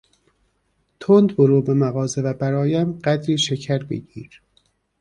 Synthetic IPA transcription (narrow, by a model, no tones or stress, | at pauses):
t̪ʰond̪boɾuːbemæɣɒːze̞væbæɾɒːjæmɢæd̪ɾiːʃecʰæɾbḛɟiːɾ